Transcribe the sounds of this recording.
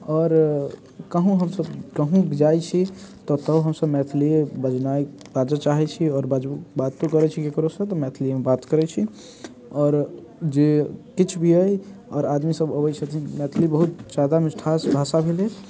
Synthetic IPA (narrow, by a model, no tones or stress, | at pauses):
ɔːɾ | kəɦũɦəmsəbkəɦũkd͡ʒajt͡ʃʰit̪ɔt̪əbɦəmsəbmɛt̪ʰliebəd͡ʒnaj | bad͡ʒət͡ʃaɦɛt͡ʃʰiɔːɾbad͡ʒbad̪t̪okəɾɛt͡ʃʰikekɾosə̃t̪ɔmɛt̪ʰliemebat̪kəɾɛt͡ʃʰi | ɔːɾ | d͡ʒekit͡ʃʰbʱiəjɔːɾad̪misəbəbət͡ʃʰət̪ʰimɛt̪ʰlibəɦut̪t͡ʃad̪amesʈʰasbʱasabʱele